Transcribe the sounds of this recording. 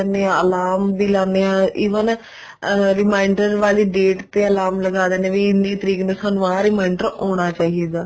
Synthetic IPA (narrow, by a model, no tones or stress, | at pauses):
nẽːəlaːmbiːlãːneãːiːʋən | ɾɪmaːɪɳɖəɾʋaːliːɖeːʈt̪eːəlaːmləɡaːd̪eːnẽːʋiːɪnːiːt̪əɾiːknẽsənʋãːɾɪmaːɪɳɖəɾoːɽ̃aːt͡ʃaːɦiːd̪aː